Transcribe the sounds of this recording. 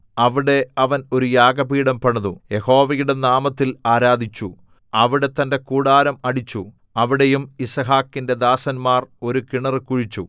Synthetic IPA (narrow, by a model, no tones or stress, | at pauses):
ɐʋiɽe̞ɐʋɐno̞ɾujaːɡɐbiːɽɐmpɐɳɐðuje̞ho̞ːʋɐjuɽe̞naːmɐt̪ːilaːɾaːd̪ʱit͡ɕːu | ɐʋiɽe̞t̪ːɐnde̞kuːɽaːɾɐmɐɽit͡ɕːu | ɐʋiɽejumisɐɦaːkːinde̞d̪aːsɐnmaːro̞ɾukiɳɐrɨkuɻit͡ɕːu